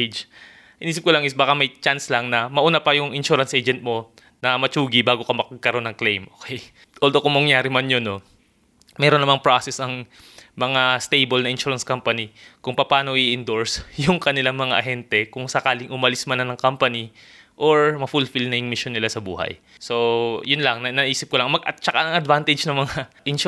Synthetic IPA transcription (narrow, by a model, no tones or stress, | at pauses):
d͡ʒ | hɪniːs̬ɪp̚kʊlɐŋʔɪsbaːkɐmɐjt͡ʃanslɐŋnɐmɐʔuːnapɐjʊŋɪnʃuːɾɐnsʔejd͡ʒɛnt̪̚mo̞ | nɐmɐt͡ʃuːɡibaːɡokɐmɐkɡ̚kɐɾo̞nɐŋklejmʔoːkɛj | ʔoːld̪okʊŋmɐŋjaːɾɪmanjono | mɛːɾonːɐmaŋpɹasɛsɐŋ | mɐŋast̪ejbolnɐʔɪnʃuːɹɐnskampɐnikʊŋpɐpaːno̞ʔiʔɪnd̪oɹsjʊŋkɐnɪlaŋmɐŋaʔɐɦɛnt̪ɛkʊŋsɐkaːlɪŋʔʊmɐlɪsmɐnɐnɐŋkampɐni | ʔoɹmɐfulfilnɐjʊŋmɪʃjonːɪlasɐbṵːhɐ̰j | so̞jʊnlɐŋnɐnɐʔiːsɪp̚kolɐŋmɐɡt͡ʃɐkaɐŋɐd̪vant̪ɛd͡ʒnɐŋmɐŋaʔɪn